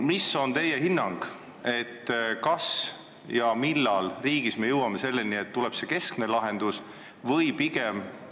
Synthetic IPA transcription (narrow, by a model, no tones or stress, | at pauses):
miso̞nt̪e̞jeɦinːɑŋɡ̥ | e̞t̪ːkɑs | jɑmilːɑlriːɡisme̞jɤwɑme̞se̞lːenie̞t̪ːulɛb̥se̞ke̞skne̞lɑɦe̞nd̪̥us | vɤjpiɡem